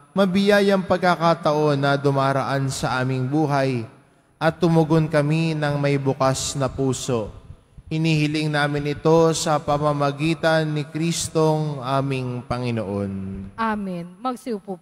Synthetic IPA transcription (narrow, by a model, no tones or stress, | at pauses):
mɐbɪjajɐŋpɐɡ̚kɐkat̪ɐʔo̞nːɐd̪ʊmaːɾɐʔansɐʔaːmɪŋbuːɦɐj | ʔɐt̪ːʊmʊɡonkɐminɐŋmɐjbʊkasnɐpuːso̞ʔ | hɪniːhɪlɪŋnaːmɪnɪt̪o̞sɐpɐmɐmɐɡiːt̪ɐnːɪkɾiːst̪o̞ŋʔaːmɪŋpɐŋɪno̞ʔo̞naminmɐɡsiupu